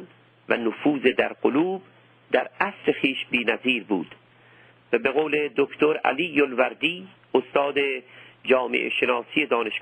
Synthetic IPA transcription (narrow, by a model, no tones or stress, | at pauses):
n | vænofuːzed̪æɾqoluːb | d̪æɾæsɾe̞xiːʃbiːnæziːɾbṵːd̪̥ | væbeɣoːle̞d̪okt̪oɾæ̰liːjolvæɾd̪iː | ost̪ɒːd̪ed͡ʒɒːmḛʔḛʃenɒːsije̞d̪ɒːneʃ